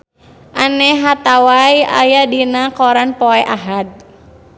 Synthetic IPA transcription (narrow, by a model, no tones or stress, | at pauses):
ʔanɛɦat̪awaja̰jadinakɔɾanpɔɛʔaɦat̪̚